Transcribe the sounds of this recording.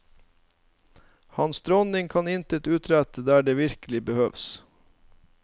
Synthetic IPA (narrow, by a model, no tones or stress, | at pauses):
hɑnsd̪ɾɔnɪŋkʰɑnɪnt̪ət̪ʉːt̪ʰɾæt̪əd̪æːɖeːʋɪɾkəlɪbəhøːʋs